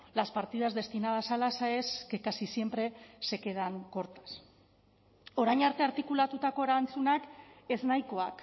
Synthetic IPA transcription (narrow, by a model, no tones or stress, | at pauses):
laspaɾt̪iðazd̪e̞st̪inað̞asalasaeskekasisje̞mpɾe̞se̞ke̞ðaŋko̞ɾt̪ḁs | o̞ɾajɲaɾt̪e̞aɾt̪ikulat̪ut̪ako̞eɾant͡sunake̞znajko̞ak